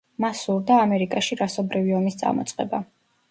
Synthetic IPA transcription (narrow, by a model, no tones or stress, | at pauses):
masuɾd̪aːmɛɾikʼaʃiɾasɔbɾiviɔmist̪sʼa̰mɔ̰t̪sʼqʼɛ̰ba